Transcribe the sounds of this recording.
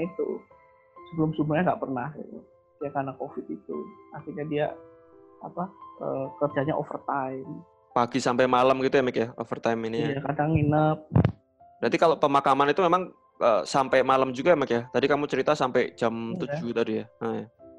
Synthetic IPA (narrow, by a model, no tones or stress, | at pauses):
it̪ṵ | səbəlʊmsumbuɾɲaŋɡaʔpərnahɡit̪u | diakanakofɪt̪̚it̪ṵart̪iɲadia | apaʔəkərd͡ʒaɲa̰ʔo̰fərt̪am | paɡisampajmaləmɡit̪ujamakjao̰fərt̪ajminiajakadaŋinəp̚ | dant̪ikalopəmakamanit̪umemaŋ | ʔəːsampajmaləmd͡ʒuɡaamɛkjat̪adikamut͡ʃəɾit̪asampajd͡ʒamt̪ud͡ʒut̪adijaəja